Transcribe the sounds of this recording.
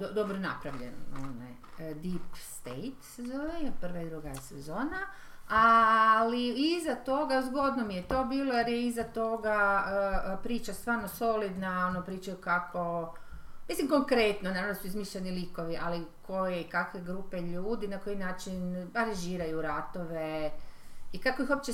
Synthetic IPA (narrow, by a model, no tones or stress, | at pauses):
d̪od̪obɾona̰pɾaʋʎḛno̰na̰j | d̪ipst̪ejt̪sezoːnajprʋaid̪ɾuɡajesezo̞ːna | aliizat̪o̞ɡazɡo̞d̪nomijet̪o̞ːbiːlˠojeɾjeizat̪o̞ɡaəpɾiːt͡ʃast̪ʋaːɾnoso̞lid̪naonopɾiːt͡ʃajukakʰo̞ | mislimko̞ŋkɾet̪nonaɾamnd̪osuizmiʃʎeniliko̞ʋiʔalikʰo̞jeikakʋe̞ɡɾupe̞ʎuːd̪inako̞jinaːt͡ʃinaɾanʒiːɾajuɾat̪o̞ʋe̞ | ikakoixop̚t͡ʃe